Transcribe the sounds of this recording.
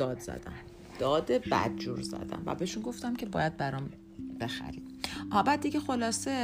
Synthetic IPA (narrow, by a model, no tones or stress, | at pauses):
ɒːd̪zæ̰d̪æm | d̪̥ɒːd̪ebæ̰d̪̚d͡ʒuɾzæ̰d̪æ̰mvæ̰beʃunɡo̞ft̪æmcʰe̞bɒːjæd̪̚bæɾɒːm | b̥e̞xæ̰ɾid̪ʔɒːbæd̪̚ːiɟexo̞lɒːse